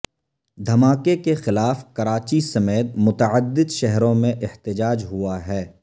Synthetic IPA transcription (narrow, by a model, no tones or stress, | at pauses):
d̪ʱɐmaːkekexɪlaːfkɐɾaːt͡ʃisɐmeːt̪mʊt̪əʕəd̪ːɪd̪ʃɛɦɾõmẽʔɪht̪ɪd͡ʒaːd͡ʒɦʊaɦɛː